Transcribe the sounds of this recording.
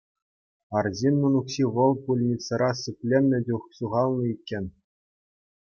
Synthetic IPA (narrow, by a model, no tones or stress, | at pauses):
ɑrzʲinʲːunukɕiʋɤ̆lˠpulʲnʲit̪t͡sːɤ̆ɾɑsɯpʲlʲemʲnʲɘ̆dʲuχsuʁɑlˠnɤ̆ikʲːenʲ